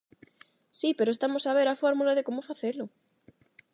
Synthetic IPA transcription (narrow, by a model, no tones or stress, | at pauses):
sipe̞ɾoest̪amosaβ̞e̞ɾafoɾmulað̞ekomofaθelo